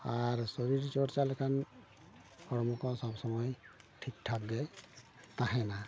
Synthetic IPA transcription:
aɹsɔɾiɹt͡ʃɔɾt͡ʃalkʰan | kʰɔɹmukɔsɔbsɔmɔjʈʰik̚ʈʰab̚ɡɛ | t̪aɦɛna

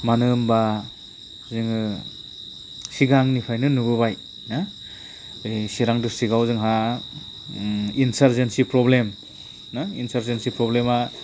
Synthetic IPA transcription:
manɯmba | zɯŋɯ | siɡaŋnipʰajnɯnubɯβaj | na | siɾaŋdɯsiɡawzɯŋɦa | insaɾzensipɾɔblem | naḭnsaɾzensipɾɔblema

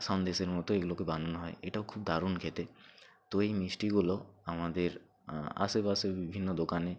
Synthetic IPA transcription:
sɔnd̪eʃeɾmɔt̪oeɡulokebananoɦɔeeʈaokʰub̚d̪ʱaɾunkʰet̪e | t̪oejmisʈiɡuloamad̪eɾ | a̰sebasebibʱinːod̪okane

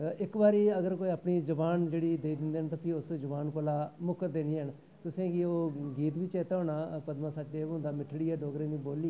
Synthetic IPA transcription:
ɪkbaːɾiːəɡəɾkoːiːaːpɳiːd͡ʒəbaːnd͡ʒeːɽiːd̪eːid̪ɪ̃nd̪eːnt̪ãːpʰiʊsd͡ʒəbaːnkoːlaːmʊkəɾd̪eːniːɦəɳ | t̪ʊsẽːɡioːɡiːt̪̬ʋɪt͡ʃeːt̪ːɔːnaːpəd̪mãːsaːʈːeːʊ̃nd̪aːmɪʈʰɽiːɛːɖoːɡɾẽːd̪iːboːliː

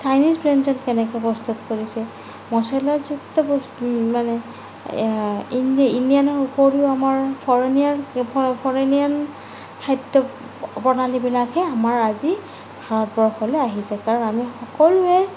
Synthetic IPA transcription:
sajnisbɹɛnzɔnkɛnɛkɛpɔst̪utkoɹisɛ | mɔsɔlazutːɔpɔsmanɛ | inindijanɔɹupoɹiʊamaɹpʰɔɹenianʰpʰɔɹenian | kʰajt̪ːɔ | bɔnalibilakɛamaɹazi | bʱaɹɔt̚bɔɹxʰɔlɛaɦisɛkaɹɔnamixɔkɔlʊɛ

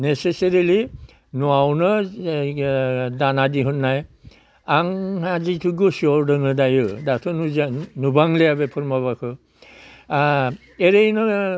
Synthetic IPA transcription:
neseseɾili | nuawnɯ | danadiɦut̚naj | aŋazitʰuɡɯsiɔɾdɯŋɯdajɯdatʰɯnunubaŋleabepʰɯɾmaβakʰɯ | eɾejnɯ

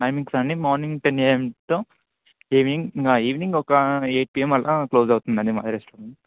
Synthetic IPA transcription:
ʈɐjmiŋksɐɳɖimaːɾniŋɡʈenjemt̪oː | iːʋniŋaiːʋniŋɡɔkɐeːʈ̚piːemɐlʔakloːd͡ʒɐwt̪und̪ɐd̪ima̰ːɾesʈɔːɾɐn

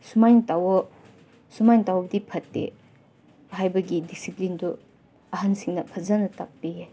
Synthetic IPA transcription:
sumajnɐtawɔ | sumajnɐtawɐbɐdipʰɐtːḛ | ɦajbɐɡidisiplindu | ɐɦɐnsiŋnɐpʰɐzanɐtap̚ːije

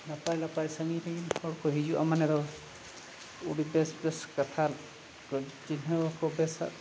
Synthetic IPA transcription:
napajlapajsaŋiɾɛinhɔɽkɔɦid͡ʒuʔa̰manɛdɔ | uɽibɛsbɛskat̪ʰal | ɔd͡ʒinɔwakɔbɛsa̰

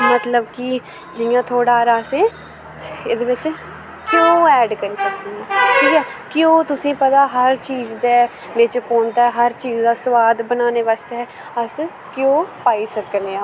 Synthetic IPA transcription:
mət̪ləbkɪ | d͡ʒɪjãːt̪ʰoːɽaːɾaːseː | ed̪eːʋɪt͡ʃ | kjõːɛːɖkəɾiːsəknaːʈʰiːkɛːkjõːt̪ʊsĩːpət̪aːɦəɾt͡ʃiːzd̪eː | ʋɪt͡ʃfoːnt̪aːɛɦəɾt͡ʃiːzd̪aːsʊʋaːd̪bənaːneːʋaːst̪eɦɛː | əs | kjõːpaːiːsəkneaː

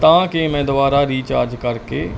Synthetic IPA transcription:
t̪ãːkemɛ̃ːd̪ʊbaːɾaɾiːt͡ʃa̰ːd͡ʒkəɾkḛ

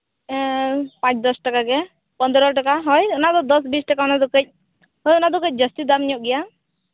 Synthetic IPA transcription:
pãt͡ʃd̪ɔsʈakaɡɛ | pɔnd̪ɾɔʈakaɦɔjɔnad̪ɔd̪ɔs̬bisʈakaɔnad̪ɔkəc̚ˀ | ɦɔjɔnad̪ɔkəc̚ˀd͡ʒəst̪id̪amɲɔʔ̚ɡɛja

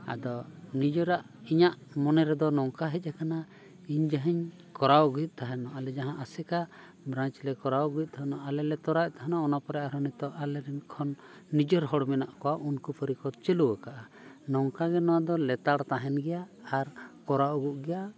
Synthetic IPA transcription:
a̰d̪ɔnid͡ʒɔɾaʔ | iɲaʔmɔnɛɾɛd̪ɔnɔŋkaɦɛc̪̚akana | iɲd͡ʒaɦiɲ | kɔɾawɡuit̪̚ˀt̪aɦanɔʔalɛd͡ʒaɦãʔasɛka | bɾaɲt͡ʃlɛkɔɾawɡuit̪̚ˀt̪ʰaɦnaalɛlɛt̪ɔɾaj̚t̪aɦanaɔnapɔɾɛʔaɾɔnit̪ɔʔalɛɾɛnkʰɔnː | id͡ʒɔɾɦɔɽmɛnaʔkɔwaʔunkupʰəɾikɔt͡ʃɛluwəkaʔa | nɔŋkaɡɛnɔwad̪ɔlɛt̪aɽt̪aɦɛnɡɛjaːɾkɔɾaɔɡuʔɡɛja

